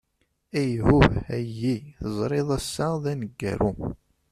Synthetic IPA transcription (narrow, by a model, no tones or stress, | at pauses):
æjhʊæjːiθəzˤɾˤeðˤæsːaðænəɡːæ̰ɾu